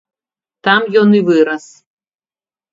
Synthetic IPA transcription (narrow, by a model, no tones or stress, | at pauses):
t̪amjɔnivɨɾɐs